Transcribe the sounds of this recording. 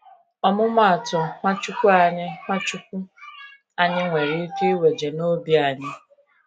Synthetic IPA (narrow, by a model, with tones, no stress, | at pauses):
ɔ˦mʊ˦m˦a˨tʊ˨ŋʷa˦t͡ʃʊ˦kʷʊ˦a˨ɲɪ˦ŋʷa˦t͡ʃʊ˦kʷʊ˦ | a˨ɲɪ˦ŋʷe˨ɾi˦ke˦we˨d͡ʒe˨no˦bi˦a˨ɲɪ˦